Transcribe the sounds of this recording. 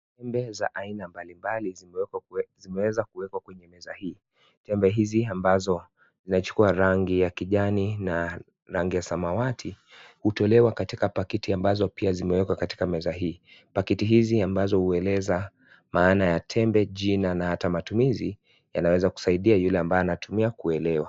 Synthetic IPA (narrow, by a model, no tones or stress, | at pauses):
tɛmbɛza̰ʔainambalimbali | zimɛwɛzakuwɛkwakwɛɲɛmɛzahiː | tɛmbɛɦiziambazɔ | zinat͡ʃu̥kuaɾaŋɡijakiʄanina | ɾaŋɡijasamawatʰi | hutɔlɛwakatikapakitiambazɔpiazimɛwɛkwakati̥kamɛzaɦiːpakitiɦiziambazɔhuɛlɛza | maːnajatʰɛmbɛʄinanahatamatumizi | janawɛzaku̥saiɗiajulɛambajɔanatumiakuɛlɛwa